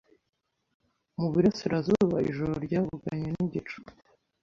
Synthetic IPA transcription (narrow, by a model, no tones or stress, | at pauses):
muβiɾasiɾazuβaḭʒoɾoɾɟaːvuɡaɲeniɟit͡ʃu̥